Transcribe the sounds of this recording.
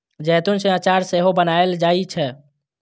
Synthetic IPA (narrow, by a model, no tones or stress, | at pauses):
d͡ʒɛjt̪unsẽat͡ʃaɾseɦobənaeld͡ʒait͡ʃʰɛ